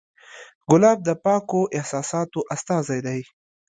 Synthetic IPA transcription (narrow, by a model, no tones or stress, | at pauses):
ɡʊlɑːb̚d̪əpɑːkoʔɪhsɑːsɑːt̪oʔast̪ɑːzajd̪aj